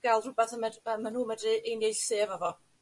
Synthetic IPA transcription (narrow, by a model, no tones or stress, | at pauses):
ɡ̥alˠrʊbɛθəmədəmanuːmədiʔejnjejɬseːvavɔ